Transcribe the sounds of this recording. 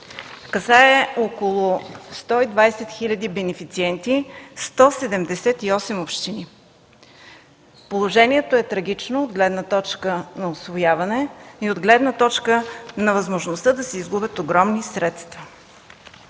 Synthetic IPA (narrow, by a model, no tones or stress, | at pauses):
kɐsaɛokolˠost̪ɔid̪vajsɛt̪xilʲɐd̪ibɛnɛfit̪siɛnt̪ist̪ɔsɛd̪ɛmd̪ɛsɛt̪iɔsɛmopʃt̪ini | polˠoʒɛniɛt̪oɛt̪ɾɐɡit͡ʃnood̪ɡlɛd̪nət̪ɔt͡ʃkənɐosvojavɐnɛiod̪ɡlɛd̪nət̪ɔt͡ʃkənɐvɐzmoʒnost̪əd̪ɐsɛizɡubʲət̪oɡɾɔmnisɾɛt̪st̪v̥ə